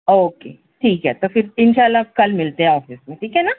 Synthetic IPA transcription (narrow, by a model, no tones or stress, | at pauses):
oːkḛː | ʈʰiːkɦɛt̪ofɪɾɪnʃaːlːakɐlmɪlt̪eɦɛ̃ɔːfɪsmẽʈʰiːkɦɛna